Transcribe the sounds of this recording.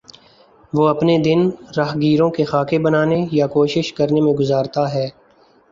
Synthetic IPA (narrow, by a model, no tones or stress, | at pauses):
ʋoːɐpned̪ɪnɾaːɦɡiːɾõkexaːkebɐnaːnejakoːʃɪʃkɐɾnemẽɡʊzaːɾt̪aɦɛː